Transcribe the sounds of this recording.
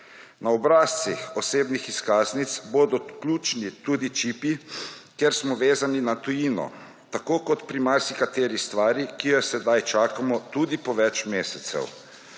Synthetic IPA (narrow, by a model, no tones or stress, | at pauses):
naɔbɾaːst̪sixɔseːbnixiskaːznit̪sboːd̪ɔklʲuːt͡ʃnit̪uːd̪it͡ʃiːpikeɾsmɔʋeːzaninat̪ujiːnɔ̰ | t̪akoːkɔt̪pɾimaɾsikat̪eːɾist̪ʋaːɾikiɡasɛd̪ajt͡ʃaːkamɔt̪uːd̪ipɔʋɛt͡ʃmeːsɛt̪sɛ̰w